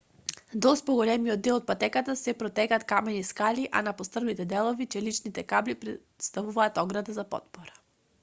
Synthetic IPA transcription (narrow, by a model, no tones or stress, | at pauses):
d̪ɔst̪pɔɡolɛmiɔd̪ːɛlˠɔt̪̚pat̪ɛkat̪asɛpɾɔt̪ɛkat̪kamɛniskaliʔa̰napost̪r̩nit̪ɛd̪ɛlˠovit͡ʃɛlit͡ʃnit̪ɛkablipɾɛt̪st̪avuvaːt̪ɔɡɾad̪azapɔ̰t̪̚pɔɾḁ